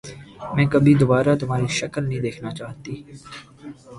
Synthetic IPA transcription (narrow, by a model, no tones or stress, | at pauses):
mɛ̃ːkɐbʱid̪oːbaːɾat̪ʊmaːɾiʃɐkəlnɐɦĩd̪eːkʰnat͡ʃaːɦt̪iː